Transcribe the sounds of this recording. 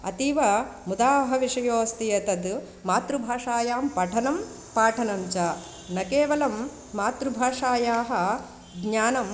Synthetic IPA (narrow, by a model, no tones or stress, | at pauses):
ɐ̰t̪iʋɐmud̪aːɐɦɐʋiʂɐjoːst̪ijɐt̪ɐd̪ | maːt̪ɾubʱaːʂaːjaːmpɐʈʰɐnɐm | paːʈʰɐnɐmt͡ʃaː | nɐkeːʋɐlɐmː | aːt̪ɾubʱaːʂaːjaːɦɐ̆ | ɡɲaːnɐm